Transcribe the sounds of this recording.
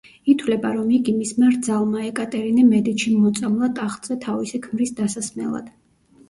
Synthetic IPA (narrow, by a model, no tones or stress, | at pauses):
it̪ʰwlɛbaɾɔmiɡimismɛɾd̪zalˠmaɛkʼat̪ʼɛɾinɛmɛd̪it̪ʃimɔt̪sʼamlˠat̪ʼaχʼz̥ɛt̪ʰavisɛkʰmɾisd̪asasmɛ̰lˠa̰d̪̥